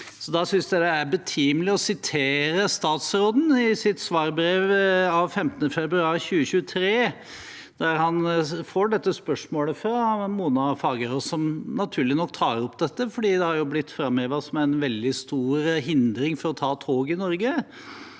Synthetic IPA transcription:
sɔd̪ɑsʏnsd̪æd̪ɛæɾbət̪ʰiːmlɪɔsɪt̪ʰeːɾəst̪ɑːt̪sɾoːd̪n̩ɪsɪt̪sʋɑːɾbɾeːʋɑʋfɛmt̪ənəfɛbɾʉɑːɾçʉːəɕʉːət̪ʰɾeː | d̪̥æɾhɑnfoːɖɛt̪ːəspœʂmoːləfɾɑmuːnɑfɑːɡəɾɔsɔmnɑt̪ʰʉːɾlɪnɔk̚ːt̪ʰɑːɾɔpːd̪ɛt̪ːəfɔɖiːd̪ɛhɑɾjʊblɪt̪ːfɾɑmøːʋəsmɛɛɪnʋɛld̪ɪst̪uːɾɦɪnd̪ɾɪŋfɔɾɔt̪ʰɑːt̪ʰoːɡɪnɔɾɡə

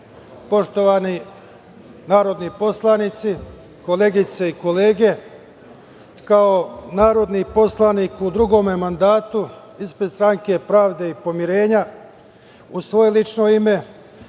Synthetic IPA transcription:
po̞ʃt̪o̞ʋaːni | naːɾo̞d̪nipo̞slˠanit̪si | ko̞le̞ːɡit̪se̞iko̞le̞ːɡe̞ | kaonaːɾo̞d̪nipo̞slˠaniːkud̪ɾuɡo̞ːmemand̪aːt̪u | ispɾed̪st̪ɾaŋke̞pɾaːʋd̪e̞ipo̞miɾe̞ːɲa | usʋo̞je̞lit͡ʃno̞ime̞

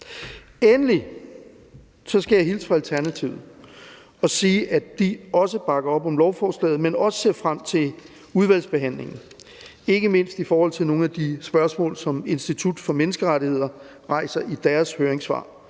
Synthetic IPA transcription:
enəli | sɒ̽sɡ̥æjɑhilsfʁɑ̈ælt͡sʰæɐnæt͡sʰiʊð̩ˠ | ɒ̽siːʔæd̥iɒ̽s̬əb̥ɑ̈ɡ̥ɐɒ̽b̥ɒ̽mlɒʊfɒːslɛ̰ːð̩ˠmenɒ̽sə̥se̝ɐ̰fʁam̰t͡sʰe̝l | uðˠʋæl̰sb̥e̝ɦæn̰le̝ŋn̩ | e̝ɡ̥əme̝n̰sd̥ifɒːhɒ̽l̰t͡sʰe̝lno̝ːn̩æd̥isb̥ɶɐsmɔ̰̽ːlsɒ̽me̝nsd̥it͡sʰud̥fɒ̽menəsɡ̥əʁaɾihe̝ð̞̰ˠɐ | ʁɑ̈ɪsɐʔid̥æːɐshøːɐʁeŋsʋɑ̰̈ː

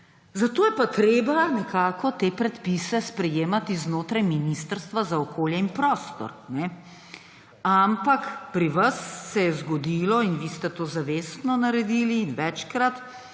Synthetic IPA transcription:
zat̪oːjɛpat̪ɾeːbanɛkʰaːkɔt̪eːpɾɛt̪pisɛspɾɛjeːmat̪iznoːt̪ɾajminist̪əɾst̪ʋazaɔkoːljɛinpɾoːst̪ɔ̰ɾnɛ | ampakpɾiʋasːɛjɛzɡɔd̪iːlɔinʋiːst̪ɛt̪oːzaʋeːst̪nɔnaɾɛd̪iliːnʋɛt͡ʃkɾat̪

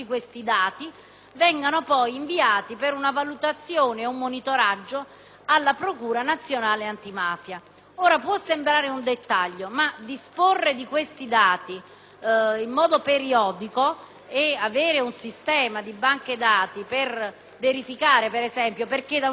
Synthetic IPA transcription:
ikwest̪id̪aːt̪i | vɛŋɡanopɔjiɱviaːt̪ipeɾunavalut̪at̪sːjoːneumːonit̪oɾad͡ʒːo | alːapɾokuːɾanat̪sːjonaːleant̪imaːfja | oːɾapwɔsːembɾaːɾeund̪et̪ːaʎːomad̪isporːed̪ikwest̪id̪aːt̪i | imːɔːd̪opeɾiɔːd̪iko | eaveːɾeunsist̪ɛːmad̪ibaŋked̪aːt̪iper | veɾifikaːɾepeɾezɛmpjoperked̪a

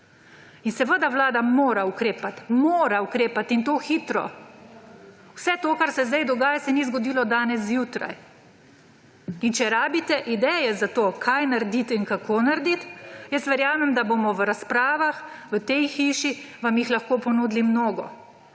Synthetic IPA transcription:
insɛʋəd̪aʋlaːd̪amoːɾaukɾeːpat̪moːɾaukɾeːpat̪int̪oːxiːt̪ɾɔ̰ | wsɛt̪oːkaɾsɛzd̪ajd̪ɔɡaːjasɛnizɡɔd̪iːlɔd̪aːnɛs̬juːt̪ɾa̰j | int͡ʃɛɾaːbit̪ɛʔid̪ɛjɛzat̪oːkʰajnaɾd̪it̪inkakoːnaɾd̪it̪jəst̪ʋɛɾjaːmɛmd̪abomɔʋəɾaspɾaːʋaxʋət̪ɛjxiʃiʋamjixlaxkoːpɔnuːd̪limnoːɡɔ̰

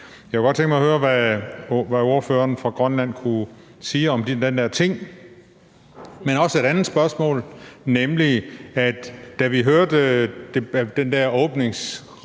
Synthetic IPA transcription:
jɑkeɡ̥ɒd̥t͡sʰeŋɡ̥mɑhøːɐʋæ | ʋæo̝ɐfø̰ːɐnfʁɑ̈ɡ̥ʁɶnlæn̰kʰu | siːɒ̽md̥id̥end̥æɐ̰t͡sʰe̝ŋ̰ | menɒ̽səe̝ɾ̥ænð̩ˠsb̥ɶɐsmɔ̰̽ːlnemliæd̥ːæʋiɦøɐd̥d̥ed̥end̥æɐɔ̽ːb̥ne̝ŋs

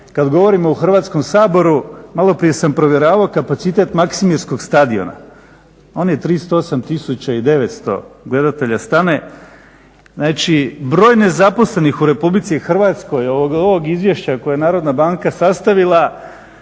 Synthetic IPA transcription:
kad̪ɡo̞ʋo̞ɾimo̞uxr̩ʋaːt̪sko̞msaːbo̞ɾumalˠo̞pɾije̞sampɾo̞ʋje̞ɾaːʋaokapat̪sit̪e̞t̪maksimiɾsko̞ɡst̪ad̪io̞̰na̰ | o̞ːnjet̪ɾiːst̪oosamt̪isut͡ɕaid̪e̞ʋe̞t̪st̪o̞̰ɡle̞d̪at̪e̞ʎast̪ane̞ | znaːt͡ʃibɾo̞ːjne̞zapo̞sle̞nixuɾe̞publit̪sixr̩ʋaːt̪sko̞joʋoɡoʋoɡizʋje̞ʃt͡ɕako̞jajnaːɾo̞d̪nabaŋkasast̪aʋilˠa

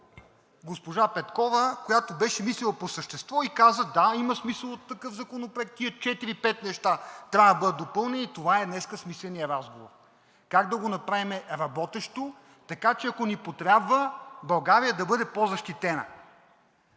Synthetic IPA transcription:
ɡospoʒapɛt̪kɔvəkojat̪obɛʃɛmislʲilˠɐposəʃt̪ɛst̪vɔikazəd̪aimɐsmisəlˠot̪ːɐkɤfzɐkonopɾoɛk̚t̪iət͡ʃɛt̪iɾipɛt̪nɛʃt̪at̪ɾʲavd̪bɤd̪ət̪d̪opɤlˠnɛnit̪ovaɛd̪nɛskəsmislɛnijəɾazɡovo̰ɾ | kaɡd̪ɐɡonɐpɾavimɛɾɐbɔt̪ɛʃt̪o | t̪ɐkat͡ʃɛɐkonipot̪ɾʲabvəbɐlˠɡaɾijəd̪ɐbɤd̪ɛpozɐʃt̪it̪ɛnɐ̰

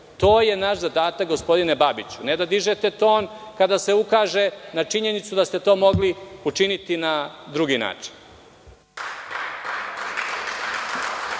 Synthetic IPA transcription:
t̪o̞ːje̞naʃzad̪aːt̪ak̚ɡo̞spo̞d̪ine̞babit͡ɕuned̪ad̪iʒet̪et̪o̞ːn | kad̪ase̞ukaːʒe̞nat͡ʂiɲe̞nit̪sud̪ast̪e̞t̪o̞ːmo̞ɡliut͡ʂinit̪inad̪ɾuɡina̰ːt͡ʂi̥n

